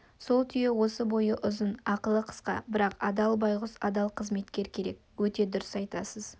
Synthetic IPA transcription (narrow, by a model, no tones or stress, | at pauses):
so̞lˠt̪ʰʏjewo̞səbo̞jəʔʊzənɑqəlˠəqʰə̥sqɑ̰bɪɾɑqɑd̪ɑlˠbɑjʁʊsɑd̪ɑlˠqʰəzme̞t̪kʲe̞ɾkʲʰe̞ɾe̞kwɵt̪e̞d̪ʊɾɪsɑjt̪ɑsəz̥